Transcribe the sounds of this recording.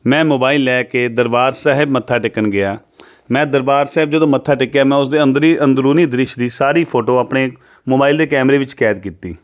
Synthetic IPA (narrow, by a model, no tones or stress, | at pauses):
mɛ̃ːmoːbaːilːɛːkeːd̪əɾbaːɾsɛːɦɪbmət̪ʰːaːʈɪkːənɡɪaː | mɛ̃ːd̪əɾbaːɾsɛːb̚d͡ʒəd̪õːmət̪ʰːaːʈɪkːaːmɛ̃ːʊsd̪eːənd̪ɾiːənd̪ɾuːniːd̪ɾɪʃd̪iːsaːɾiːpʰoːʈoːaːpɳeː | moːbaːild̪eːkɛːmɾeːʋɪt͡ʃkɛːd̪kiːt̪ḭː